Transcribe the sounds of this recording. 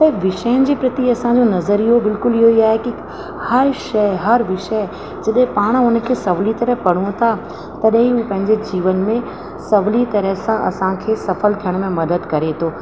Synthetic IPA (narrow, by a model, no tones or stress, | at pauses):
pɐʋɪʃəənɪ̆d͡ʑiːpɾɐt̪iɐsãd͡ʑonɐzəɾiɦobɪlkʊlɪɦoiaːɦeki | hɐɾʃɐɪɦɐɾʋɪʃə | d͡ʑɐɗɦɪ̃paːɽ̃ʊnə̆kʰeːsɐʋlit̪ɐɾəɦpɐɽ̤õt̪ʰa | t̪ɐɗɦĩuːpɐ̃ɦɪ̃ɲd͡ʑed͡ʑiːʋənmẽ | sɐʋlit̪ɐɾəɦsãʔɐ̰sãkʰeːsɐfəlt̪ʰijəɽ̃mẽmɐd̪əd̪kɐɾet̪ʰoː